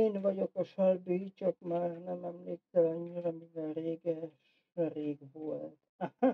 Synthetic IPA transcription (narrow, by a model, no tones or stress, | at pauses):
eːnʋɒɟokɒʃolbyːt͡ʃɔkmaːrnɛmɛmliːksɛlɒɲːiɾɑmind̪ɛreːɡɛʃ | reːɡʋolt̪